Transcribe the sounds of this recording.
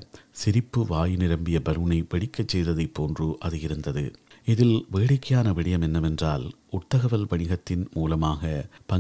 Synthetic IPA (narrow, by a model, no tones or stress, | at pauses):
sɪɾɪpːɯʋaːjɪnɪɾɐmbɪjɐbɐɾɯnɐɪʋɐɽɪkːɐt͡ʃːɛjðɐðɐɪpːoːndrɯʔɐðɯjɪɾɯnd̪ɐðɯ̰ɪðɪlʋeːɽɪkːɐjaːnɐʋɪɽɪjɐmɛnːɐmɛndraːl | ʊt̪ːɐɣɐʋɐlʋɐɳɪɣɐt̪ːɪnmuːlɐmaːɣɐpɐ